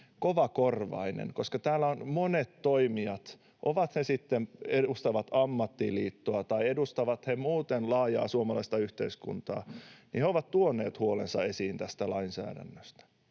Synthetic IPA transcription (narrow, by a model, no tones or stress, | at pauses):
koʋɑkorʋɑ̰inḛnkoskɑt̪æːlːæonmonet̪toimiɑt̪ | ʔoʋɑt̪hesit̪ːeneust̪ɑʋɑt̪ɑmːɑt̪ːilḭːt̪ːoɑt̪ɑiedust̪ɑʋɑt̪hemuːt̪enlɑːjɑ̰ːsuomɑlɑist̪ɑyht̪eiskṵnt̪ɑ̰ːniheoʋɑt̪t̪uonːˑeːt̪huolensɑe̞siːnt̪æst̪ælɑinsæ̰ːdæ̰nːøst̪æ̥